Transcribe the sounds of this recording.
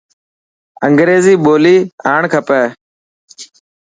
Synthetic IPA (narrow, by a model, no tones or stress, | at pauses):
əŋɡɾeːziːɓoːliːaːɳkʰəpɛː